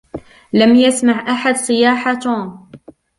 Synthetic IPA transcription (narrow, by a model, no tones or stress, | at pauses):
lamjasmaʕʔaħad̪sˤɨjaːħat̪